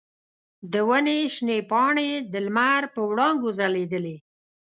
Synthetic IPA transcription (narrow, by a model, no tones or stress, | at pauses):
d̪əwəneʃnepɑɳed̪əlmaɾpəwɽɑŋɡozaled̪əle